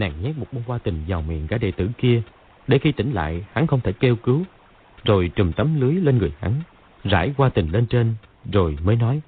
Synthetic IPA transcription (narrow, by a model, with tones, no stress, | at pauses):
na̰ː˧˨˩ŋɲa˦˥k̚mo˨˩t̚ɓo˧kwaː˧t̪ï˨˩ŋ̟zaː˨˩wmḭ˧˨ənkaː˧˥ɗḛ˧˨t̪ɨ̰˧˩ki˧ə | ɗe˧˩xi˧t̪ï˧˩ŋ̟la̰ː˧˨jha˨˦ŋxə˧wŋ͡mt̪ʰe˧˩jke˧wkɨ˨˦w | zo˨˩jt͡ɕɨ˨˩mt̪ə˨˦mlɨ˨˦əjle˧nŋɨ˨˩əjha̰˨˦ŋ | za̰ː˧˥jkwaː˧t̪ï˨˩ŋ̟le˧nt͡ɕe˧n | zo˨˩jməː˨˦jnɔ˨˦j